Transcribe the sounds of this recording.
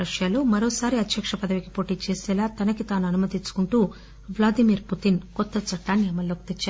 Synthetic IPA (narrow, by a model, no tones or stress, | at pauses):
ɾɐʂjaːluːmɐɾo̞ːsaːɾiɐt̪jɐkʂɐpɐd̪ɐʋikipo̞ːʈiːt͡ʃeːsɛːlaːt̪ɐnɐkit̪aːnuɐnumɐt̪iɲt͡ʃːu̥kuɳʈuː | ʋlaːd̪imiːɾput̪inkɔt̪ːɐt͡ʃɐʈːaːnːiɐmɐlːoːk̚t̪it͡ʃːaːɾ